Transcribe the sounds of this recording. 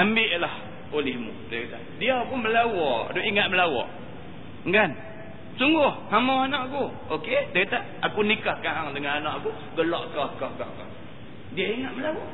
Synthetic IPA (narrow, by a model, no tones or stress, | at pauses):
ambɪʔlah | olɪhmṵd̪əɾit̪aʔdiawpunməlawɔʔdoʔiŋat̪̚məlawɔ̰ʔ | ŋɡan | suŋɡʊhhamɔanaʔaku | oket̪əɾit̪aʔakunikahkaɦaŋdəŋananaʔaku | ɡəlɔʔkɔkahkahkɔ̰h | diaiŋat̪̚məlawɔʔ